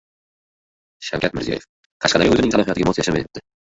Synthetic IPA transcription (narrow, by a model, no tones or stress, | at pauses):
ʃa̰wkʰʲat̪mɪɾzijɒ̰jef | qʰɑʃqʰɑd̪aɾʲaɵzɪnɪŋt̪alˠɒhijɒt̪ɪɡʲamɒt̪jaʃamet̪ɪp̚d̪ɪ